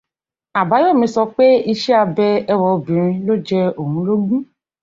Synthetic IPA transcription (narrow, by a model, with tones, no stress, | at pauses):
a˨ba˨˦jo˦˨mĩ˧sɔ˧k͡pe˦i˧ʃɛ˦a˧bɛ˧ɛ˧wɔ˧˨bĩ˨ɾ̃ĩ˧lo˦d͡ʒɛ˧o˨ɦũ˨˦lo˦ɡũ˦